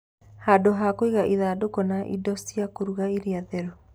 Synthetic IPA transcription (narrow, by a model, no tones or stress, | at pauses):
hadoɦakoiɣaʔiðaːdokɔnaʔḭdɔsiakoɾuɣaiɾiaðɛɾɔ